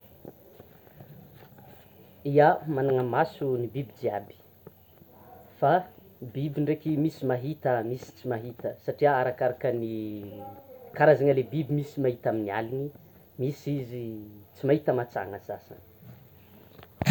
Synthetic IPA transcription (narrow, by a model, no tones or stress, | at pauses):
iamanaŋəmasunibibid͡ziabi̥ | fa | bibiɳɖ͡ʐekimisimaɦit̪əmisi̥t͡simaɦit̪əsaʈ͡ʂiaaɾakaɾakəni | kaɾazaŋalebibimisimaɦit̪aminia̰lini | misizit͡simaɦit̪əmat͡sa̰ŋəzasa̰ni̥